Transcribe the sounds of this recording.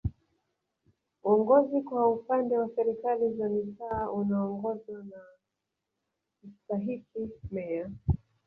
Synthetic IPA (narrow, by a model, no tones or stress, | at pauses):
uɔŋɡɔzikwaupandɛwasɛɾikalizamitaːʔunaɔŋɡɔzwana | kitaɦikimɛa